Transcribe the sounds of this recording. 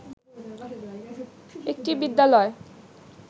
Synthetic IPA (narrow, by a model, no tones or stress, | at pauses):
ek̚ʈibid̪ːalɔe